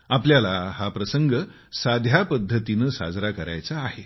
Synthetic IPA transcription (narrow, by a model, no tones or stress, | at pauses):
apljalahapɾəsəŋɡə | sad̪ʱjapəd̪ʱːət̪inəsa̰d͡zɾakəɾa̰jt͡saːhe